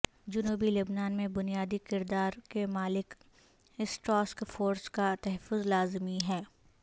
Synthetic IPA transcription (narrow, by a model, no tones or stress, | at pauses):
d͡ʒʊnuːbilʊbnaːnmẽbʊnijaːd̪ikɪɾd̪aːɾkemaːlɪk | ɪsʈɾɔːskfoːɾskat̪ɛɦɛfːʊzlaːzmiɦɛː